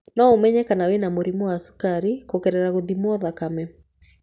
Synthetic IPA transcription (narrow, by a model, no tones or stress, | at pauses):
nɔomɛɲɛkanawenamoɾimuwasu̥kaɾikokɛɾɛɾaɣoðimuɔðakamɛ